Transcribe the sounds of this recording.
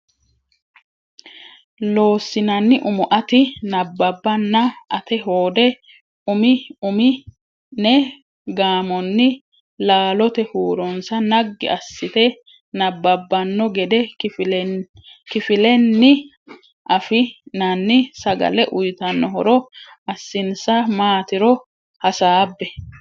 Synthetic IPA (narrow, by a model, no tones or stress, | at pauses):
lo̞ːsːɪnɐnːɪʔʊmʊʔɐt̪ɪnɐbːɐbːɐnːɐʔɐt̪ɛɦoːd̪ɛ | ʊmɪʊmɪ | nɛ | ɡaːmɔnːɪ | laːlɔt̪ɛhuːɾɔnsɐnɐɡːɪ̰ɐsːɪt̪ɛ | nɐbːɐbːɐnːɔɡɛd̪ɛfl | kɪfɪlɛnːɪ | ʔɐfɪnɐnːɪsɐɡɐ̰lɛʔʊjt̪ɐnːɔɦɔɾɔ | ɐsːɪnsɐmaːt̪ɪɾɔ | hɐsaːbːɛ